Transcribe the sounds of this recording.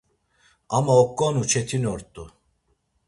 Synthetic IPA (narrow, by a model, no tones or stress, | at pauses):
amaokːonut͡ʃʰet̪ʰinoɾt̪ːu